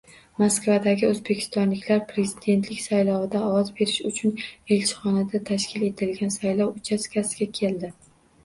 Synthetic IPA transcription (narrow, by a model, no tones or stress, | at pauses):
maskvad̪aɡʲɪɵzbe̞kʲʰɪ̥st̪ɒnlɪkʲlaɾpʰɾe̞zɪd̪e̞nt̪ʰlɪkʲsajlɒwɪd̪aɒwɒzbe̞ɾɪʃʊt͡ʃʰʊne̞lt͡ʃʰɪ̥χɒnad̪at̪ʰaʃkʲʰɪle̞t̪ʰɪlɡʲansajlɒwʊt͡ʃʰaskʲʰasɪɡʲakʲʰe̞ld̪ɪ